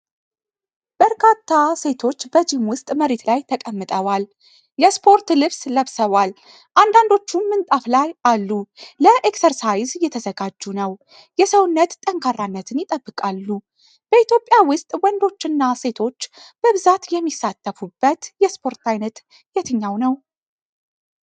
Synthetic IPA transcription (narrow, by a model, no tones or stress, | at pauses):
b̥əɾkʰat̪ʰːase̞t̪ʰo̞t͡ʃːbəd͡ʒimwʊst̪ʼməɾet̪lajt̪ʰəkʼəmːɨt̪ʼəwal | jɛspʰo̞ɾt̪lɨβsləβsəβʷal | ʔand̪and̪o̞t͡ʃːuːɨnt̪ʼaflajalːuləʔeksəɾsajzjɛt̪ʰəzəɡad͡ʒːunəw | jɛsəwʊnːət̪t̪ʼəŋkʰaranːət̪ʰɨnjɪt̪ʼəbːɨkʼalːu | b̥əit̪jo̞pʼːjawʊst̪ʼwɔnd̪o̞t͡ʃːɨnːase̞t̪ʰo̞t͡ʃːb̥əβɨzat̪jɛmːisːat̪ʰːəfubːət̪jɛspʰo̞ɾt̪ʰajnət̪ | jɛt̪ʰɨɲːawnəw